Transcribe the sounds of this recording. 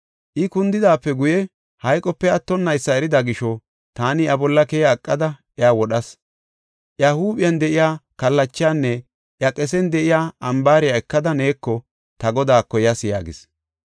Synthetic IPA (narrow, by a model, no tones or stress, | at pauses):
ʔɪkʊnd̪ɪd̪aːpːɛɡʊjɛ | hɐjkʼɔpːɛɐt̪ːɔnːɐjsːɐɛɾɪd̪ɐɡɪʃɔ | t̪aːnɪjɐbɔlːɐkɛːjaːkʼːɐd̪ɐʔɛawɔɗɐs | ʔjɐhuːbɪjɐnd̪ɛʔɪjaːkɐlːɐt͡ʃːɪjaːnːɛ | ʔjɐkʼɛs̬ɛnd̪ɛʔɪjaːɐmbaːɾɪjaɛkːɐd̪ɐne̞ːkːɔ | t̪ɐɡɔd̪aːkːɔjɐsɪja̰ːɡɪ̰s